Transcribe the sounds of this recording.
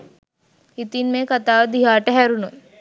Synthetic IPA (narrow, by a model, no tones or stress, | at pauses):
hit̪inmeːkat̪aːʋəd̪iɦaːʈəɦæɾunon